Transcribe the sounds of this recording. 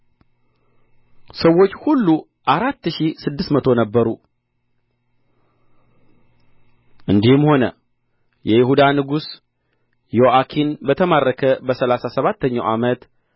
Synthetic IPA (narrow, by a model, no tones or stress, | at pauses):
səwːo̞t͡ʃːhulːu | ʔaɾat̪ːʃisɨd̪ːɨsmət̪ʰo̞nəbːəɾu | ʔɨnd̪ihɨmho̞nə̰ | jɛjɪhud̪anɨɡus | joʔakʰinbət̪ʰəmarːəkʰəbəsəlasasəβat̪ːəɲːawʔamət̪